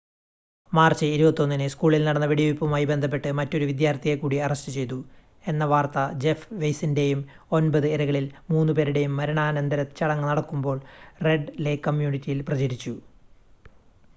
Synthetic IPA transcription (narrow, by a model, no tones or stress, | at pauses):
maːrt͡ɕːɨiɾubɐt̪ːo̞nːinɨskuːɭilnɐɽɐnːɐʋeɽijʋipːɐmaːjibend̪ʱɐp̬ːe̞ʈːɨmɐtːo̞ɾuʋid̪jaːɾt̪iɣekːuːɽiɐrɐɕtɨt͡ɕe̞jt̪̬u | e̞nːɐʋaːrt̪ɐd͡ʑe̞fʋejsinde̞jum | o̞nbɐðɨeɾɐɣɐɭilmuːnːupe̞ːɾuɽe̞jumːɐɾɐɳaːnɐnd̪ɐɾɐt̪ːɨt͡ɕɐɽɐŋːɐnɐɽɐkːumbo̞ːɭre̞ɖlekːɐmjuːnitʲːijilprɐt͡ɕiɾit͡ɕːu